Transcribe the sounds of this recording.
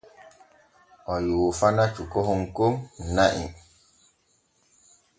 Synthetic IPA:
ɔjufanat͡ʃukoɦoŋkonaʔḭ

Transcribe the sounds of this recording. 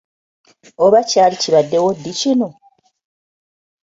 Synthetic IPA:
oβacaːliciβadːewodːicino

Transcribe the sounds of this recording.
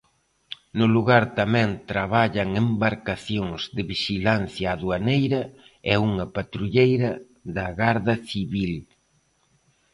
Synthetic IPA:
nʊluɣaɾt̪amɛ̃nt̪ɾaβaʎɐŋembaɾkaθjoŋzðɪβiʃilanθjɐːðuanejɾɐ | ɛuŋɐpat̪ɾuʎejɾɐ | ðɐɣaɾðɐθiβil

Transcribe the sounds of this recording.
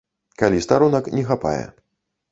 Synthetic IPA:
kalʲist̪aɾunɐknʲɛxapa̰jɛ̰

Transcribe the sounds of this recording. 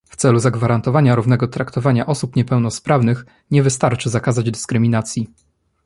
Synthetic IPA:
ft̪sɛluzaɡvaɾant̪ɔvaɲaɾuvnɛɡɔt̪ɾakt̪ɔvaɲaʔɔsupɲɛpɛwnɔspɾavnɘx | ɲɛvɘst̪aɾt͡ʂɘzakazad͡ʑd̪ɘskɾɘmʲinat̪sʲji

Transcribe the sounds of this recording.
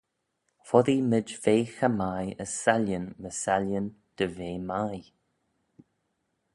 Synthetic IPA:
fɔðimɪd͡ʒveːxəmajəsaljənməsaljənd̪̥əveːmaj

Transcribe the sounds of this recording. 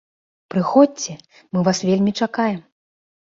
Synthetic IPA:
pɾɨxɔt̚ʲt͡sʲɛ | mɨvasvʲelʲmʲit͡ʂakajɛm

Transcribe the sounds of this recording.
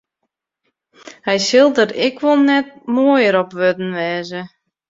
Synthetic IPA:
hɛjsɪlˠdəɾɪkʋolˠnɛt̚moːəjəɾɔpʋødn̩ʋɛːzə

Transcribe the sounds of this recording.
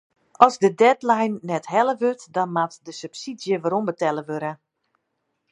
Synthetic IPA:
ɔzdədɛtlajnːɛtɦɛləʋøtdɔnmatdəsypsidjəʋaɾombətɛləʋøɾə

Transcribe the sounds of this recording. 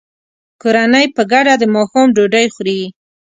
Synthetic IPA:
koɾanəjpəɡaɖad̪əmɑxumɖoɖəjxɾewi

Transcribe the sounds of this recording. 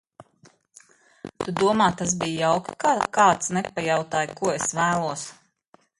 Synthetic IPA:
t̪ud̪uɔmaːt̪ːaz̬bijjawkʲkakaːt̪snɛpːajawt̪aːjkuɔesvæːlˠuɔs

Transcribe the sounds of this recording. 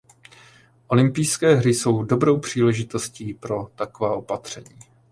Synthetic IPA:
ʔo̞lɪmpijskɛːɦɾɪso̞wdo̞bɾo̞wpr̝̥iːlɛʒɪt̪o̞sciːpɾo̞t̪akovaːʔo̞pat̪r̝̥ɛɲiː

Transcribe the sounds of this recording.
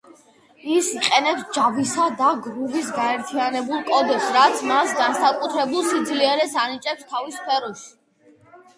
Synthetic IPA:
isiqʼɛnɛpsd͡ʒavisad̪aɡɾuvisɡaɛɾt̪ʰianɛbulˠkʼɔd̪ɛpsɾat̪sʰmasɡansakʼut̪ʰɾɛbulˠsid̪zliɛɾɛsanit͡ʃʼɛpst̪ʰavispʰɛɾɔʃi̥

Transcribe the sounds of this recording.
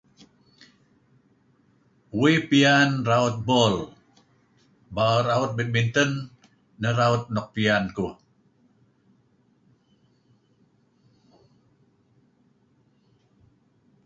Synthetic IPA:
wipianraut̪̚bɔl | baəɾaut̪̚bit̪̚mint̪ənː | əɾaut̪̚nɔk̚pianku

